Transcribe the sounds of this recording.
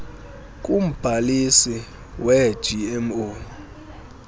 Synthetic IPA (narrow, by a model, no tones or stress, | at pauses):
k̬ʼum̩b̥ʱalisi | wɛ̥ʒ̥ʱiɛmo